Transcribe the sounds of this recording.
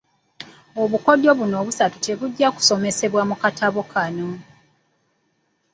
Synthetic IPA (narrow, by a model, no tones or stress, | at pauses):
oβuko̞do̞βuno̞ːβusatu̥te̞βuɟːaku̥so̞me̞se̞βwamukatʰaβokanomu